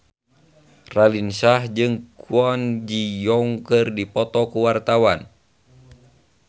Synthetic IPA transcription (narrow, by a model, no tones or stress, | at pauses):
ralinsahd͡ʒɨŋkʰuɔnd͡ʒijɔŋkɨrdipɔt̪ɔkuwart̪awan